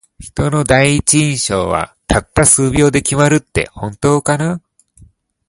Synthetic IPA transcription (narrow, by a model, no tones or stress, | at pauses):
çi̥t̪o̞no̞d̪aiːt͡ɕiĩɰ̃ɕo̞̰ːβa̰t̪ʰat̪ːasɨːbʲo̞ːd̪e̞kʲimaɾɯ̟t̪ːe̞̰hõ̞nt̪o̞ːkana